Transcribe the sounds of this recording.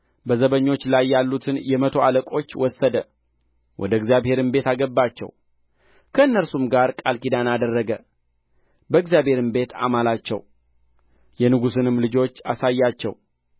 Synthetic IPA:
bəzəβəɲːo̞t͡ʃːlajːalːut̪ʰɨnjɛmət̪ʰo̞aləkʼo̞t͡ʃːwɔsːəd̪ə | wʔɔ̰d̪əɡzjaβhe̞ɾɨmbe̞t̪aɡəbːat͡ʃːɛ̰w | kʰəɨnːəɾsumɡaɾkʼalkid̪anad̪ərːəɡə | bəɨɡzjabhe̞ɾɨmbe̞t̪a̰malat͡ʃːɛ̰w | jɛnɨɡusɨnɨmlɨd͡ʒo̞t͡ʃːa̰sajːat͡ʃːɛ̰w

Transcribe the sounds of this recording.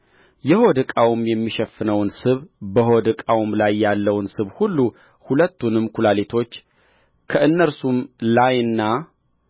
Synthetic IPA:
jɛho̞d̪ɨkʼawʊmjɛmːiʃɛfːɨnəwnsɨβbəhod̪ɨkʼawmlajːalːəwnsɨβhulːu | hulət̪ːunɨmːkʰulalet̪ʰo̞t͡ʃː | kʰəʔɨnːəɾsumlajɨnːa

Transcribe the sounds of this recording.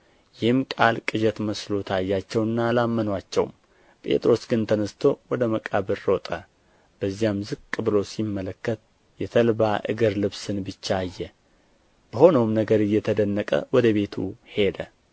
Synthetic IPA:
jɪhɨmkʼalkʼɨd͡ʒɛt̪məslo̞t̪ʰajːat͡ʃːɛwɨnːalamːənwat͡ʃːɛ̰w̰m | pʼe̞̰t̪ʼɾo̞sɡɨnt̪ʰənəst̪ʰo̞wɔd̪əməkʼaβɨɾːot̪ʼə | b̥əzːijamzɨɡkʼɨβɨlo̞simːələkːət̪ | jɛt̪ʰəlbaʔɨ̰ɡɨɾlɨβsɨnbɨt͡ʃːaːjːɛ | b̥əho̞nəwmnəɡəɾɨjːɛt̪ʰəd̪ənːəkʼə̰wɔd̪əβe̞t̪ʰṵhe̞d̪ə

